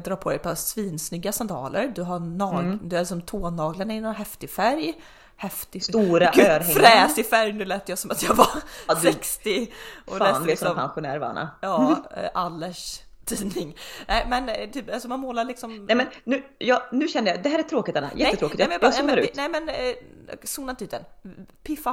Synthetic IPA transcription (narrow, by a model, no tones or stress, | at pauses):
d̪ɾɑːɾpʰɔd̪ɛjpʰɔsviːnsnʏɡːasand̪ɑ̰ːlə̰ɾd̪ɵɦanɑːd̪ɵælɪks̬ɔmt̪ʰoːnːɑːɡlaɳaɪnːɔnɦɛft̪ɪfæɾj | hɛft̪ɪst̪uːɾaːɾɛŋfɾɛːsɪfæɾjnʉ̟ːlɛːt̪ːəjasɔmat̪jɑɡvaɾsɛkst̪ɪʔɔlɛːnɔsɔmpʰa̰nɧʊnæ̰ːɾvɑ̰ːna̰jɑːʔalːəʂ | t̪ʰiːnɪŋnɛɪmɛnt̪ʰyːpalsɔmanmoːlaɾɭɪksɔmɛmɛnnʉːjɑnʉ̟ːɕɛnəjɑd̪ɛhæːɾæt̪ʰɾoːkɪt̪ɛnːa̰jɛət̪ɾoːkɪt̪jaɛmɛnjabsuːnaɾʉːt̪nɛɪmɛn | suːnant̪iːd̪ənpʰɪfa